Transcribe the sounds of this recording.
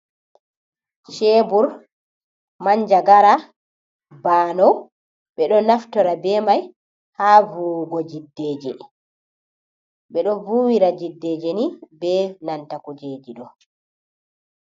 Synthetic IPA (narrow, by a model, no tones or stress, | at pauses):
ʃɛbuɾ | maɲd͡ʒaɡaɾa | baːnɔw | ɓɛɗɔnaftɔɾabɛmaj | havuɡɔd͡ʒidːɛːd͡ʒɛ̰ | ɓɛɗɔvuːwiɾad͡ʒidːeːd͡ʒɛnibɛnantakud͡ʒeːd͡ʒiɗɔ